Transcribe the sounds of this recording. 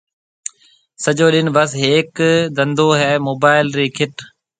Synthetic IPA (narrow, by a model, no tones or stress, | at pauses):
səʄoːɗɪnbəsɦeːkd̪ə̃nd̪oːɦɛːmoːbaːɪlɾiːkʰɪʈ